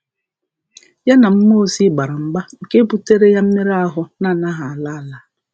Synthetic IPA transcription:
ja˦na˨m̩˦mo˦si˦ɡ͡ba˨ɾa˨m̩˦ɡ͡ba˦ŋ̩˨ke˦pu˦te˦ɾe˦ja˦m̩˦me˦ɾa˦ɦʊ˦na˦˨na˦ɦa˨a˨la˦˨la˦

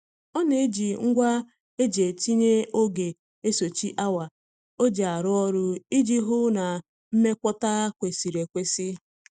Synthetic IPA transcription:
ɔ˦ne˦e˦d͡ʒi˨ŋ̩˦ɡʷa˦ | e˦d͡ʒe˨ti˦ɲe˦o˦ɡe˨ | e˦so˨t͡ʃi˦ʔa˦wa˨ | o˦d͡ʒa˨a˨ɾʊ˦ɔ˦ɾʊ˦i˦d͡ʒi˦ɦʊ˦na˨ | m̩˦me˦kʷɔ˦ta˦kʷe˨si˨ɾe˨kʷe˦sɪ˦

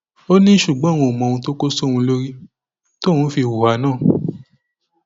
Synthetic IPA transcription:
o˦nĩ˦ʃu˨ɡ͡bɔ̃˨˦˨w̃ɔ̃˧o˨mɔ̃˨˧ũ˧to˦ko˦so˦˨wũ˧lo˦ɾi˦ | to˦˨wũ˨˦fi˧wu˨wa˨˦nãː˦˨

